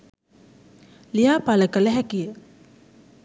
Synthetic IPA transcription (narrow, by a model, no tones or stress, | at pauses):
lijaːpaləkələɦækijə